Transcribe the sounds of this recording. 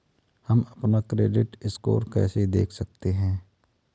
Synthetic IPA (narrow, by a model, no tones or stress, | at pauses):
hɐmɐpnakɾeːɖɪʈɪsko̰ːɾkɛ̰ːsed̪eːkʰsɐk̚t̪eɦɛ̃ː